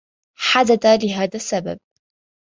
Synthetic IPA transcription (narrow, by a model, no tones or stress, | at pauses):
ħad̪ad̪alɪɦaːðasːaba̰b̚